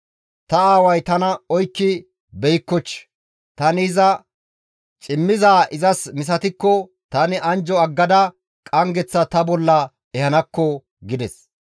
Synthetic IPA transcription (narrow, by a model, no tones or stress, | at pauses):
t̪ɐaːwɐjt̪ɐnɐɔjkːɪ | bɛjkːɔt͡ʃː | t̪ɐnɪzɐ | t͡ʃʼɪmːɪzaːʔɪzɐsmɪs̬ɐt̪ɪkːɔ | t̪ɐnɪʔɐnd͡ʒɔɐɡːɐd̪ɐ | kʼɐŋɡɛt͡sːɐt̪ɐbɔlːɐ | ɛhɐnɐkːɔ | ɡɪd̪ɛs